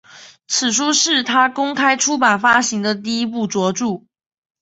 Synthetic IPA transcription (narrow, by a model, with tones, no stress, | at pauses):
t͡sʰɹ̩˨˩ʂu˥ʂɻ̩˥˩t̪ʰa˥kʊ˥ŋkʰa˥ɪʈ͡ʂʰu˥pa˨˩nfa˥ɕi˧˥ŋd̪ə˧t̪̬i˥˧i˥p̬u˥˩t͡swɔ˧˥ʈ͡ʂu˥˩